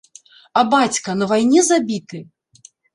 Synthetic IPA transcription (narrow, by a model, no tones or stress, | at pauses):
ɐbat͡sʲkɐnɐvajnʲɛzabʲit̪ɨ